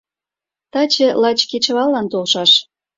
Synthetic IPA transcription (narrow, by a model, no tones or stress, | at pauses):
t̪ɑt͡ɕĕlɑt͡ɕket͡ɕəβɑlːɑnt̪olʃɑʃ